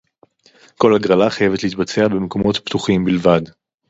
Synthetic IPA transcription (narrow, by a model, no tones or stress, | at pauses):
ko̞laɡʁalaχajevet̪lehit̪bat͡se̞abe̞meko̞mo̞tpt̪uχimbilvad